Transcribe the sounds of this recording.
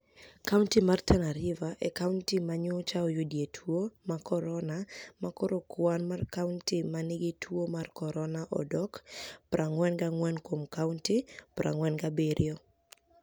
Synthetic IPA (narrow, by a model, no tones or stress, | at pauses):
kauntimartʰanaɾɪvaʔɛkauntimaɲot͡ʃaɔjodietʰwomakɔɾɔnamakɔɾokwanmarkauntimanɪɡitʰwomarkɔɾɔnaʔɔ̰dɔkpɾʔaŋwɛnɡaŋwɛnkomkauntipɾʔa̰ŋwɛnɡabeɾʔjɔ